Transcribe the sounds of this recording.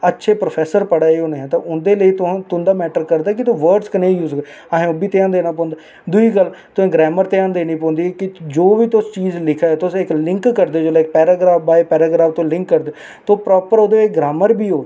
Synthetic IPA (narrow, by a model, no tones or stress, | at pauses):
ətːʃʰeːpɾoːpʰɛːsəɾpəɽaːeːoːnẽɛ̃ːt̪ãʔʊnd̪eːləiːt̪ʊ̃t̪ʊnd̪aːmɛːʈəɾkəɾd̪aːkɪt̪ũʋəːɾɖskənẽːjuːzɡ | aɦẽːobiːt̪eãːnd̪eːnaːp̬ɔ̃ːnd̪aː | d̪ʊiːkəlt̪ʊsẽːɡɾɛːməɾt̪eːãːnd̪eːnĩːp̬ɔ̃ːnd̪iːkɪd͡ʒoːʋiːt̪ʊst͡ʃiːzlɪkʰaːt̪ʊsɪklɪ̃ŋkːəɾd̪eːd͡ʒoːlaːk̚pɛːɾaːɡɾaːfbaːepɛːɾaːɡɾaːft̪õːlɪ̃ŋkːəɾd̪eː | t̪oːpɾɔːpəɾoːd̪eːeːɡɾaːməɾbiːɦoː